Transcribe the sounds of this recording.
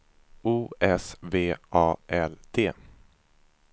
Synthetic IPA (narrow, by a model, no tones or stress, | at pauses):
uːɛsveːʔɑːʔɛld̪ʰeː